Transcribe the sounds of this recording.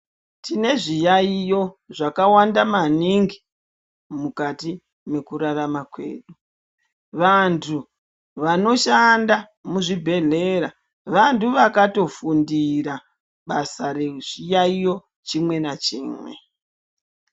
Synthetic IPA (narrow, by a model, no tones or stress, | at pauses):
tine̞ʐijaijo̞ʐakawandamaniŋɡi | mukati | me̞kuɾaramakwe̞̰ːɗu | ʋantʰu | ʋano̞ʃanda | muʐibʱe̞ɮe̞ɾa | ʋantuʋakato̞fundiɾa | ɓasareʐ̥ijaijo̞ | t͡ʃimwe̞nat͡ʃḭːmwe̞̰